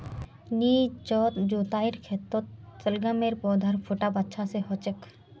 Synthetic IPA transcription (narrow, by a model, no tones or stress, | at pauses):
niːt͡ʃɔːt̪d͡ʒoːt̪aːiɾkʰet̪ːot̪t͡səlɡameːɾpɔːd̪ʱaɾpʰuʈabɐtːʃʰaseɦot͡ʃek